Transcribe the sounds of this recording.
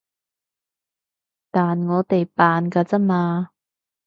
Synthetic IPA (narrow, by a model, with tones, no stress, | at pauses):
t̪aː˨˩nŋɔː˨˧t̪e˨˩jpaː˨nkaː˧t͡sa˥maː˧